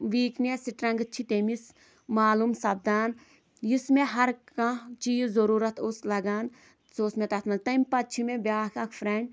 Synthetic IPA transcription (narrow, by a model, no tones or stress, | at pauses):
ʋiːknʲesiʈɾɐ̃ŋɡt͡ʃʰit̪emis | maːlumsɐb̚d̪aːn | jismeɦɐɾkãt͡ʃijuzoɾuːɾɐt̪ʰoslɐɡaːn | soːsmet̪ɐt̪ʰmɐnt̪ɐmʲpɐt̪t͡ʃʰimẽbjaːkɐkʰfɾeɳɖ